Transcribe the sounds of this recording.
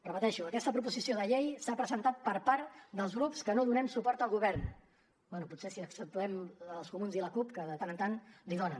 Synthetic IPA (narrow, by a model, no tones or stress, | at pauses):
rəpət̪ɛʃuəkɛst̪əpɾup̬uzisioðəʎejsapɾəzənt̪at̪̚pəɾpaɾt̪d̪əlˠzɣɾupskənoðunɛmsupɔɾt̪əlˠɣuβɛrn | bwɛnuputsesiəksəp̚t̪uɛməlˠskumunziləkupkəðət̪anənt̪anliðɔnə